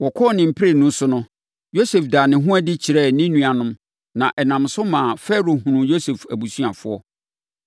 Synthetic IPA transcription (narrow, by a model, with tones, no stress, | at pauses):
wɔ˨kʰɔː˦˨nɪ̃˨m̩˦pʰɪ˦ɾe˨nũ˦sʊ˦nʊ̃˦ | jo˦se˨fdaː˨nɪ̃˨ɦʊ̃˦æ˦dɪ˦t͡ɕʰi˨ɾɛ˦˨nɪ̃˦nũ˦a˨nʊ̃˦m | nã˨ʔɛ˨nã˨msʊ˦mã˨fɛ˦ɾo˨ɦũ˨nũ˨jo˦se˨fæ˨bu˨su˦a˨fʊ̰˦ɔ˦